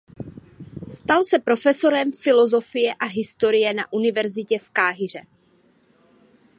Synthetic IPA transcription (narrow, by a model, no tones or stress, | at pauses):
st̪alsɛpɾo̞fɛso̞ɾɛmfɪlo̞zo̞fɪjɛʔaɦɪst̪oɾɪjɛnaʔunɪvɛɾzɪcɛfkaːɦɪr̝ɛ